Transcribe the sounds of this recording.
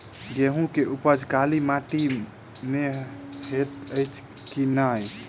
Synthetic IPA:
ɡeɦũkeʔupəd͡ʒʱkalimaʈi | meɦet̪əjt͡ʃʰ | kinaj

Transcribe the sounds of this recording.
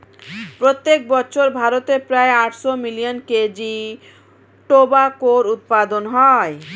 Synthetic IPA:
pɾot̪ːek̚bɔːɕʰoɾbʱaɾot̪epɾaeaʈʃomilijonked͡ʑi | ʈobakoɾut̪̚pad̪onɦɔe

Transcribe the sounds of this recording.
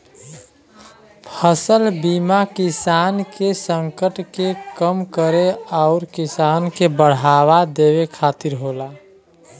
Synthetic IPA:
pʰəsəlbimakisankesəŋkəʈkekəmkəɾeaʊɾkisaːnkebəɽ̤awad̪ewekʰaːt̪iɾɦola

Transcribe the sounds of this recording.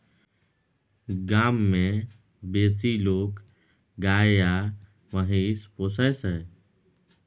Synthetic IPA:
ɡaːmːẽ | beːs̬iloːk | ɡaːjaː | məɦespoːsɛsɦɛː

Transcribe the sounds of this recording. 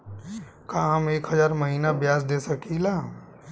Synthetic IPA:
kãːɦɐmeːkɦɐzaːɾmɐɦiːnabjaːzd̪eːsɐkʰilaː

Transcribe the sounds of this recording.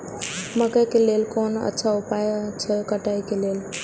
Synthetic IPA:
məkəjkelelkonə̰tːʃʰaupajt͡ʃʰəkəʈajkelel

